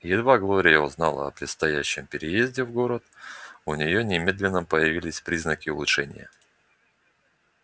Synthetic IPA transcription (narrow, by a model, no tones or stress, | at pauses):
jɪd̪vaɡlˠo̞ɾʲɪjəʊznɑ̰lˠə̰ɐ̰pɾʲɪt̪st̪ɐjæɕːɪmpʲɪɾʲɪjezʲdʲɪvɡo̞ɾət̪ʊnʲɪjonʲɪmʲe̞d̪lʲɪnːəpəjɪvʲilʲɪsʲpɾʲiznəkʲɪʊlˠʊʂɛnʲɪ̰jə̰